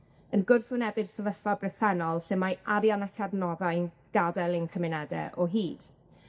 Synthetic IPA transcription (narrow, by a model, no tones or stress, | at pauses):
ənɡʊrfʊnɛbɨd̥səvəθabrɪθɛnɔlˠsɨnmajaɾjanakʰadnɔðajn | ɡ̥adɛlˠɪnkʰəmɪnɛdɛ̰ʔɔɦiːd̥